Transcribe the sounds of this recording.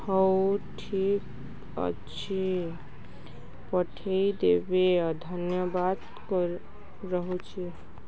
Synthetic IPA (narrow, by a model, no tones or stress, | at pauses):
həwʈʰik | ə̰t͡ʃʰi | pəʈʰeid̪ebead̪ʱənjəbad̪ | k | ɾəɦot͡ʃʰi